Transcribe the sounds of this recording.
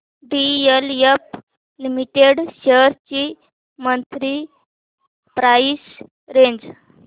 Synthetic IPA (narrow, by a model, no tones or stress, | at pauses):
ɖijəljəp̚ | limiʈeɽɕəɾt͡ɕi | mənt̪ɾi | pɾais | ɾeɲd͡z